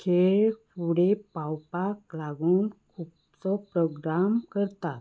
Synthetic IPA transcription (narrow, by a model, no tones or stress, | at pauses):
kʰeɭfuɽepawpaklaɡuːnkʰup̚ | t͡sɔpɾoɡɾamkəɾt̪at̪